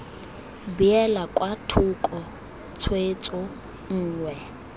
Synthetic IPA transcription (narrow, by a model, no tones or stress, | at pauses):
biɛlakʼwatʰukʼɔ | t͡sʰwet͡sʼʊ | ŋ̩ːŋwɛ